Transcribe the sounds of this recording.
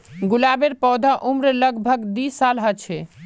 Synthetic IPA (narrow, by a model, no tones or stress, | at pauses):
ɡulabeɾpɔwd̪ʱaʔumɾələɡbʱəɡd̪isalɦət͡ʃʰɛ